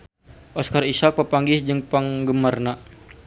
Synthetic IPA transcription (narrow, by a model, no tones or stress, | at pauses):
ʔɔskarisak̚pəpaŋɡɪhd͡ʒəŋpaŋɡəmarna